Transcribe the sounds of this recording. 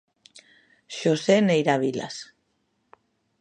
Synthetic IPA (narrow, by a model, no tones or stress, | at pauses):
ʃosenejɾaβila̰s